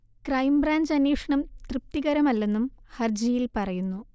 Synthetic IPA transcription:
krɐjmbraːɲd͡ʑɐnːeːʂɐɳɐmt̪rɨp̚t̪iɣɐɾɐmɐlːe̞nːumhɐrd͡ʑijilpɐrɐjunːu

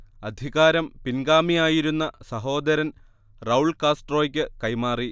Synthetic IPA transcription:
ɐd̪ʱiɣaːɾɐmpinɡaːmijaːjiɾunːɐsɐɦo̞ːd̪ɐɾɐn | rɐwɭkaːsʈro̞ːjikʲːɨkɐjmaːri

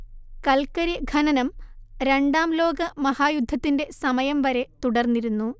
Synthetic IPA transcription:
kɐlkɐɾɐɡʱɐnɐnɐmɾe̞ɳɖaːmlo̞ːɡɐmɐhaːjud̪ʱːɐt̪ːinde̞sɐmɐjɐmʋɐɾe̞t̪uɽɐrnːiɾunːu

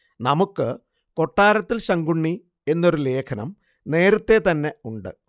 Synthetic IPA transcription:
nɐmukːɨ | ko̞ʈːaːɾɐt̪ːilɕɐŋɡuɳːi | e̞nːo̞ɾule̞ːkʰɐnɐ̰m | ne̞ːɾɐt̪ːe̞t̪ɐnːe̞uɳɖɨ̰

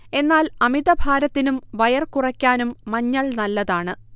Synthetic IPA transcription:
e̞nːaːlɐmiðɐbʱaːɾɐt̪ːinumʋɐjɐrkurɐkʲːaːnumːɐɲːɐɭnɐlːɐðaːɳɨ

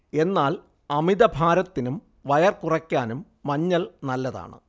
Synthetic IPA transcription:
e̞nːaːl | ɐmiðɐbʱaːɾɐt̪ːinum | ʋɐjɐrkurɐkʲːaːnumːɐɲːɐlnɐlːɐða̰ːɳɨ̰

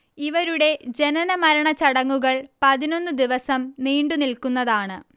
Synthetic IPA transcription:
iʋɐɾuɽe̞d͡ʑe̞nɐnɐmɐɾɐɳɐt͡ɕɐɽɐŋːuɣɐɭpɐðino̞nːɨd̪iʋɐsɐmniːɳɖunilkunːɐðaːɳɨ

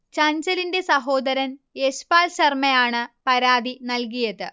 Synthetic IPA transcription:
t͡ɕɐɲd͡ʑɐlinde̞sɐɦo̞ːd̪ɐɾɐneɕpaːlɕɐrmɐjaːɳɨpɐɾaːd̪inɐlk̬ijɐðɨ

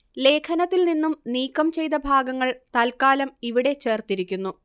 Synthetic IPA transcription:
le̞ːkʰɐnɐt̪ːilninːumniːkːɐmt͡ɕe̞jt̪ɐbʱaːɡɐŋːɐɭt̪ɐlkaːlɐmiʋiɽe̞t͡ɕe̞ːrt̪iɾikʲːunːu

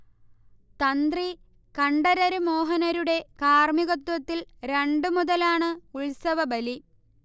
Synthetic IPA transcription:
t̪ɐnd̪ri | kɐɳɖɐɾɐɾumoːɦɐnɐɾuɽe̞kaːrmiɣot̪ːwɐt̪ːilɾe̞ɳɖɨmuðɐlaːɳɨuɭsɐʋɐbɐli

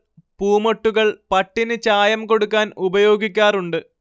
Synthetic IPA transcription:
puːmoʈːuɣɐɭpɐʈːinɨt͡ɕaːjɐmko̞ɽukːaːnubɐjo̞ːɡikʲːaːruɳɖɨ

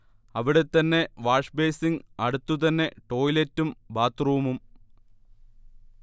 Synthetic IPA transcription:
ɐʋiɽe̞t̪ːɐnːe̞ʋaːʂbe̞ːsiŋɡɐɽut̪ːut̪ɐnːe̞ʈo̞ːjiletːumbaːt̪ruʋumum

